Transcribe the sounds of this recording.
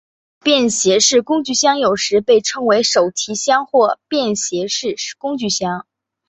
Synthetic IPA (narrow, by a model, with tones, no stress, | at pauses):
pjɛ˥˩nɕjɛ˧˥ʂɻ̩˥˩kʊ˥ŋt͡ɕy˥˧ɕjɑ˥ŋjo˨˩ʊʂɻ̩˧˥pe˥˩ɪʈ͡ʂʰɤ˥ŋwe˧˥ɪʂo˨˩ʊt͡ɕʰi˧˥ɕjɑ˥ŋxwɔ˥˧˩pjɛ˥˩nɕjɛ˧˥ʂɻ̩˥˩˧kʊ˥ŋt͡ɕy˥˩ɕjɑ˥ŋ